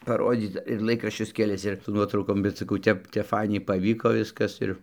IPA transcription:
pɐˈroːdʲiːt͡s ɪr ˈlˠɐɪkrɐʃʲt͡ʃʲʊs kʲɛˈlʲɪs ɪr sʊ ˈnuɔtrɐʊkoːm bʲɛt sɐˈkɐʊ ˈtʲɛp ˈtʲæːpˈfɐɪnʲɛɪ pɐˈʋʲiːkoː ˈʋʲɪskɐs ɪr

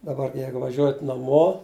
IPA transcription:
dɐˈbɐr ˈjɛɪɡʊ ʋɐˈʒʲuɔjɛt nɐˈmoː

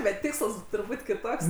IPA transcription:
bʲɛt ˈtʲɪkslˠs tʊrˈbuːtʲ kʲɪˈtoːks

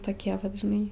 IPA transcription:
toːˈkʲiɛ ʋɐt ʒʲɪˈnɐɪ

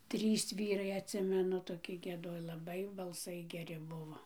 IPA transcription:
ˈtʲrʲiːs ˈʋʲiːrɐɪ ɐtʲˈsʲɪmʲɛnʊ toːˈkʲɪ ɡʲiɛˈdoːj lˠɐˈbɐɪ bɐlˠˈsɐɪ ɡʲɛˈrʲɪ ˈbʊʋoː

